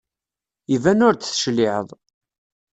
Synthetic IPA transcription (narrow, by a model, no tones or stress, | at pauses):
ivænʊɾt͡s̪θə̥ʃlɪʕə̰ðˤ